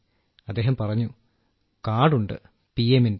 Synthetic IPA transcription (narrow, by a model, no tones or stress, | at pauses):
ɐd̪ːe̞ːɦɐmpɐrɐɲːu | kaːɽuɳɖɨ̰ | piemin